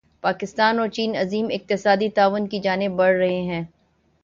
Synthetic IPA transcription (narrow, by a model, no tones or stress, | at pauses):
paːkɪst̪aːnɔːɾt͡ʃiːnɐziːmɪq̚t̪ɪsaːd̪it̪aːʋʊnkid͡ʒaːnɪbːɐɽɾɐɦeɦɛ̃ː